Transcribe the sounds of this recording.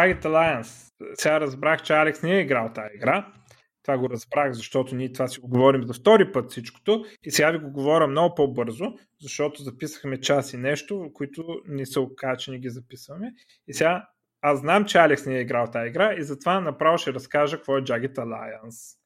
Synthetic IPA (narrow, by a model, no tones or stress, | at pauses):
d͡ʒaɡit̪ɐlˠajəns | sɛɡaɾɐzbɾaxt͡ʃɛalɛksniɛiɡɾalˠt̪aiɡɾa | t̪ovaɡoɾɐzbɾaxzɐʃt̪ɔt̪ʊniɛt̪ovasiɡoɡovɔɾimzɐft̪ɔɾipɤt̪fsit͡ʃko̥t̪oisɛɡaviɡoɡovɔɾʲəmnɔɡʊpobɤɾzʊ | zɐʃt̪ɔt̪ʊzɐpisə̥xmɛt͡ʃasinɛʃt̪ʊkʊit̪ʊnɛsəokat͡ʃɛnɛɡʲizɐpisəxmɛ | isɛɡa | azznamt͡ʃɛalɛksniɛiɡɾawˠt̪aiɡɾaizɐt̪ovanɐpɾavəʃɛɾɐskaʒəkkvɔɛd͡ʒaɡɛt̪ɐlˠa̰jəns